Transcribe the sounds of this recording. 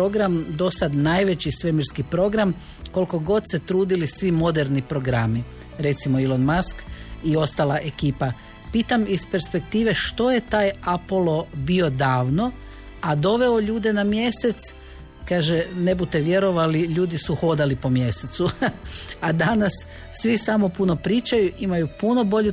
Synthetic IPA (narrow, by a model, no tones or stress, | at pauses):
pɾoɡɾamd̪o̞sad̪najʋe̞t͡ɕisʋe̞miɾskipɾo̞ɡɾam | ko̞lko̞ɡo̞d̪se̞t̪ɾuːd̪ilisʋimo̞d̪e̞ɾnipɾo̞ɡɾami | ɾe̞t̪simo̞ilˠonmaskio̞st̪alˠaʔe̞kiːpa | piːt̪amispe̞ɾspe̞k̚t̪iːʋe̞ʃt̪o̞je̞t̪aːjapolˠo̞bio̞d̪aːʋno̞ | ad̪o̞ʋe̞o̞ʎuːd̪e̞namje̞se̞t̪s | kaːʒene̞but̪e̞ʋje̞ɾo̞ʋaliʎuːd̪isuxo̞d̪alipo̞mje̞se̞t̪su | ad̪anasː | ʋisamo̞puno̞pɾiːt͡ʃajuʔimajupuno̞bo̞ʎu